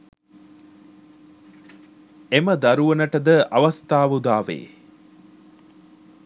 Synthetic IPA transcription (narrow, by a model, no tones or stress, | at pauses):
eməd̪ɐɾuʋɐnəʈəd̪əʔɐʋɐst̪aːʋud̪aːʋḛː